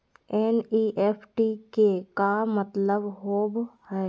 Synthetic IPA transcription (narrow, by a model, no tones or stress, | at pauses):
ɛːniːʔeːpʰʈikekamət̪ləbɦoːbhɛː